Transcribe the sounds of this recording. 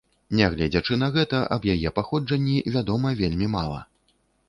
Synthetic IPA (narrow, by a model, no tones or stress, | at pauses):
nʲɛɣlʲɛd͡zʲat͡ʂɨn̪ɐɣɛt̪ɐʔɐbjajɛpaxɔd͡ʐɐnʲːivʲad̪ɔmɐvʲelʲmʲimalˠɐ̰